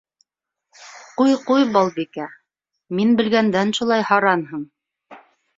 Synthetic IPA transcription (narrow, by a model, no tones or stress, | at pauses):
qujqujbɑlˠbikæ | minbɘ̆lɡænd̪ænʃulˠɑjhɑɾɑnɦɤɴ